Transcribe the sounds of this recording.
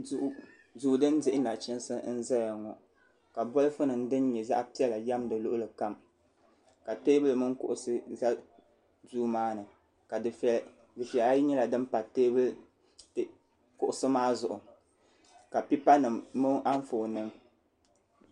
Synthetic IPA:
duː˦dɨ˦n˦dɪ˦ʔɪ˦na˨t͡ʃɪ˦n˦sɨ˦n̩˦za˦ja˨ŋɔ˨ | ka˨bɔ˦lɨ˦fɨ˦nɨ˨n̩˦dɨ˦n˦ɲɛ˨za̰˦ʔpi˦ɛ˦la˨ja˦mdɨ˨lʊ˦ʔʊ˦lɨ˨ka˦m | ka˨teː˦bɨ˦lɨ˨mɨ˦ŋ˦kʊ̰˦ʔʊ˨sɨ˦za˦ | duː˦maː˦nɨ˨ | k | dɨ˨fi˨ɛ˨a˦ji˦ɲɛ˦la˨dɨ˦m˦pa˨teː˦bɨ˦l | t | kʊ˦ʔʊ˨sɨ˦maː˦zʊ˨ʔʊ˨ | ka˨pi˦pa˦nɨ˨mːɨ˦ʔa˦ɱ˦fo˨nɨ˦ŋ

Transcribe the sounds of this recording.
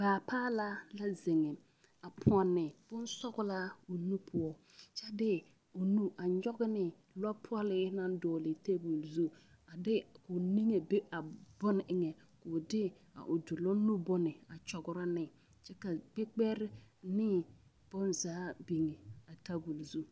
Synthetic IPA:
b̥aː˨paː˦la˦la˦zɪ˨ŋɛ˨ | a˨pʰɔ˨nːɪ˨b̥ʊ˦nsɔ˦ɡʊ˦la˦ʊ˨nu˦pʰʊ˦ɔ˦ | t͡ʃɛ˦dɪ˦ | ʊ˨nu˦a˨ɲɔ˦ɡɪ˦nɪ˨ | lɔ˦pʰʊ˦ɔ˦lɪ˦na˦n˦dɔː˨lɪ˨te˦bu˨lzu˦ | a˨dɪ˦kʊ˨ni˦ŋe˨be˦a˨bɔ˦nɪ˨ʔɪ˨ŋɛ˨ | kʊ˨dɪ˦ | a̰˨ʔʊ˨dʊ˨lɔ˦nu˦bɔ˦nɪ˨a˨t͡ʃɔ˨ɡʊ˨ɾa˦nɪ˨ | t͡ʃɛ˦ka˨k͡pe˦k͡pɛ˦ɾɪ˦nɪ˦ | b̥ʊ˦nzaː˨˦bi˨ŋɛ˨a˨ta˦bu˨lzu˦

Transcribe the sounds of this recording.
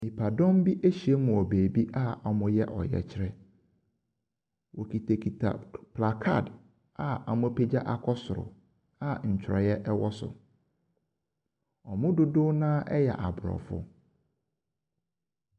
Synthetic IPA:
mĩ˨pʰa˨dɔ̃˦m˦bi˦ʔe˦ɕi˨e˦mʊ̃˨ɔ˨beː˨bi˦ʔa˦a˨mʊ̃˦jɛ˦ʔɔ̰˨jɛ̰˨t͡ɕʰɪ˦ɾɛ˦ | wɔ˨kʰi˨tʰa˨kʰi˨tʰa̰˨pʰla˨kʰa̰˦˨d | a˨a̰˨mʊ̃˦pʰe˦d͡ʑa˦ʔa˨kʰɔ˦sʊ˨ɾʊ̰˨ | a˨ɲ̩˨t͡ɕʰᶣɪ˨ɾɔ˨jɛ˦ʔɛ˦wɔ˦sʊ̰˨ | ɔ˨mʊ̃˦dʊ˨dʊ˦nãː˦ʔɛ˦jɛ̰˨ʔa˨bʊ˨ɾɔ̰˨fʊ̰˦

